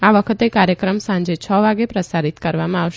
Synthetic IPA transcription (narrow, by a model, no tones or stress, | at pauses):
aʋəkʰət̪ekaɾjəkɾəmsãɲd͡ʒet͡ʃʰɔʋaɡepɾəsaɾit̪kəɾʋamãaʋʃ